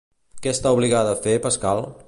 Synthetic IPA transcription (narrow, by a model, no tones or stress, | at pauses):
kɛəst̪auβliɣaðəːfepəskalˠ